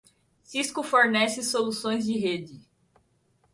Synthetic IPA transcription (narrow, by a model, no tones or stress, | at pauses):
siskʊfoɾnɛsɪsolusõj̃zd͡ʒɪɦed͡ʒɪ